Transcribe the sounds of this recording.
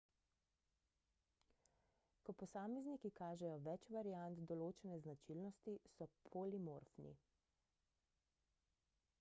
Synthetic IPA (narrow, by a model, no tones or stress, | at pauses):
kɔpɔsaːmɛznikikaːʒɛjɔʋɛt͡ʃʋaɾijant̪d̪ɔloːt͡ʃɛnɛznat͡ʃilnɔst̪isɔpʰolimoɾfnḭ